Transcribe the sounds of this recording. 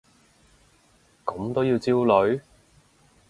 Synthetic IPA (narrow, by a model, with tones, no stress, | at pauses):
kɐ˨˥mt̪o˥wjiː˧wt͡siː˥wlɵ˨˥ɥ